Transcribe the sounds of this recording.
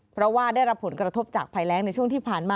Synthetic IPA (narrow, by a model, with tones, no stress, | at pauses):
pʰɾɔ˦˥waː˥˩daː˥˩jɾa˦˥pʰːo˩˦nkɾa˧t̪ʰo˦˥p̚t͡ɕaː˨˩k̚pʰaː˧jlɛː˦˥ŋna˧jt͡ɕʰu˥˩əŋt̪iː˥˩pʰaː˨˩nmaː˧